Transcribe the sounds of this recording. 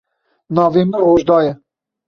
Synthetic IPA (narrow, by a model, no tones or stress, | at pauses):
nɑːvemɛɦoːʒd̪ɑːjɛ